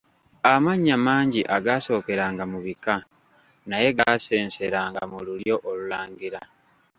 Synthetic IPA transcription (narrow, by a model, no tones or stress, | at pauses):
amaɲːamaːɲɟiʔaɡaːso̞ːke̞ɾaːŋɡamuβika | naje̞ɡase̞ːnse̞ɾaːŋɡamululjo̞ʔolulaːɲɡiɾa